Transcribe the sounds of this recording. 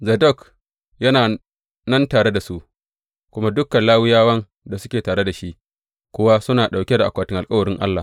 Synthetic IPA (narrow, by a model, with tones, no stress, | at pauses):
zɐ˨dɔ˦˨k | jɐ˦naː˨ | nɐ˦ntaː˨ɽe˦da˨su˦ʔ | kʷʊ˦ma˦dʊ˦kːɐ˨nlaː˦wɪ˦jaː˦wɐ˦n | da˨sʊ˦kʲeː˨taː˨ɽe˦da˨ʃi˦ʔ | kʷʊ˦wa˦sʊ˦naː˨ɗa˨wkʲe˦da˨ʔa̰˨kʷaː˨tɪ˦ŋʔa˨lkʼɐ˦wɐ˨ɽɪ˦ŋʔa̰˦lːa˨